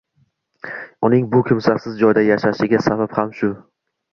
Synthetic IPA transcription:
ʊnɪŋbʊkʲʰɪmsasɪzd͡ʒɒjd̪ajaʃaʃɪɡʲasabaphamʃʊ

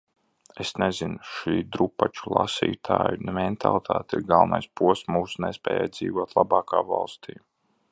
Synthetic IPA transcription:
esnɛzinuʃiːd̪ɾupːat͡ʃulˠa̰sḭːt̪ʰaːjunɛmɛnt̪ʰa̰lˠit̪ʰaːt̪iɾɡalˠnajspuɔssmuːsunɛspʲɛ̰ːja̰jd̪zḭːvuɔt̪lˠabɑːkaːva̰lˠst̪ʰiː

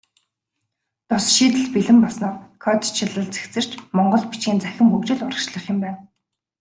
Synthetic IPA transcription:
t̪ʊsʃiːt̪ɘ̆ɮpiɮɘ̆mpaɮsnɔːkʰɔt̪t͡ɕʰɪɮə̆ɮt͡se̥kt͡sɘ̆r̥t͡ɕmɔɴɢɞ̆ɮpit͡ɕɡiːnt͡sæxʲɪ̆mxukt͡ɕɪ̆ɮʊɾə̆kʃɮə̆χʊ̆mpæːn

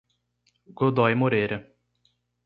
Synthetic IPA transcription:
ɡod̪ɔjmoɾeɾɐ

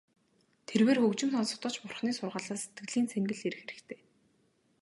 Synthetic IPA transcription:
t̪ʰerweːrxɵkt͡ɕɪ̆mt̪ɔnsɞ̥̆χt̪ɞ̆t͡ɕpʊrχniːsʊrʁaːɮaːse̥t̪ɡɘ̆ɮiːnsʰeŋɡɘ̆ɮeɾɘ̆xeɾɘ̆kt̪ʰeː

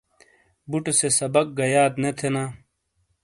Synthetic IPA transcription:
buʈsesɐbɐk̚ɡɐjaːd̪net̪ʰenaː

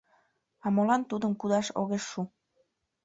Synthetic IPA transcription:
ɑmolɑnt̪ud̪əmkud̪ɑʃo̰ɣeʃːu

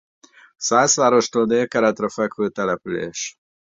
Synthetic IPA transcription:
saːsʋaːɾo̞ʃt̪oːlneːkɛɾɛt̪ɾɛfɛkføːt̪ɛlɛpylḛːʃ

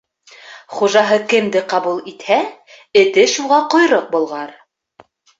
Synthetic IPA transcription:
χuʒɑɦɤkɘ̆md̪ɘqɑβulˠit̪hæ | ɘ̆t̪ɘʃuʁɑqŏjɾɤq̚bŏlˠʁɑɾ

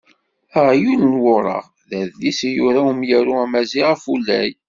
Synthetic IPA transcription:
əʁjunənwʊɾˤɑ̰ʁ | ðæðlisjʊɾawəmjæɾuæmæziʁəfulːæ̰j

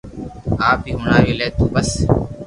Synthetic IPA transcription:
aːp̚iːɦʊnaːjoːleːt̪ũːbəs

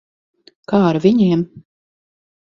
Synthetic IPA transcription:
kaːaɾviɲiɛm

